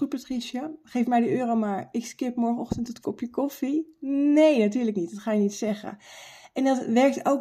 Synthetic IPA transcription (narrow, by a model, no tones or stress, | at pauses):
ut̚patriʃəχejfmɛjdəøːromaːɹɪkskɪpmɔɹfɔχtəntətkɔpjəkɔfinejnat̬yːɹləknit̚dɔtχaːjənitsɛχə̰ʔɛndɔtʋɛɹk̚to̰wk